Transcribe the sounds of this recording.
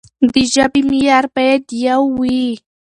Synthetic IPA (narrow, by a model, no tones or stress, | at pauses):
d̪ɪʒapɪmɪjaɾpajt̪jawiː